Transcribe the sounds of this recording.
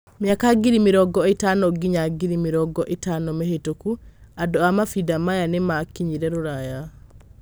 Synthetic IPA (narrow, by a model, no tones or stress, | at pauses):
mjakaɡiɾimeɾɔɡɔetanɔɡiɲaɡiɾimeɾɔɡɔʔetanɔmehetokuadɔamafidamajanemakiɲiɾɛɾoɾaja